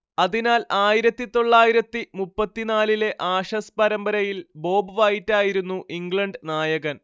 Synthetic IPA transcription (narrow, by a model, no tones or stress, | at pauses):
ɐðinaːlaːjiɾɐt̪ːit̪o̞ɭːaːjiɾɐt̪ːimupːɐt̪ːinaːlile̞ʔaːʂɐspɐɾɐmbɐɾɐjilbo̞ːbɨʋaːjitːaːjiɾunːuʔiŋɡɭɐɳɖnaːjɐɣɐn